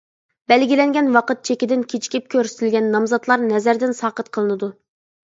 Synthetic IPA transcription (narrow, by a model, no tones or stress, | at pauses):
bɛlɡʲilɛŋɡʲɛnwɑqət̪̚t͡ʃʰekʲid̪ɪnkʲʰet͡ʃʰi̥kʲip̚kʲʰøɾsɪ̥t̪ʰɪlʲɡʲɛnːɑmzɑt̪lˠɑɾnɛzæɾd̪ɪnsɑːqət̪qʰəlˠɨnɨd̪u